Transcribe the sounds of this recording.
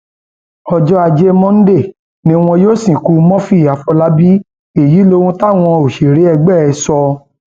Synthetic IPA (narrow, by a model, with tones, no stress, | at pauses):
ɔ˧d͡ʒɔ˦a˧d͡ʒe˦mɔ̃˦n̩˦de˦˨ | nĩ˨˦w̃ɔ̃˧joː˦˨sĩ˨ku˧˦mɔ̃˦fi˦˨a˨fɔ˧la˦bi˦ | e˨ji˨˦lo˧˦wũ˦ta˦˨w̃ɔ̃˧o˨ʃi˨ɾe˨˦ɛ˧ɡ͡bɛ˦˨ɛ˧sɔ˧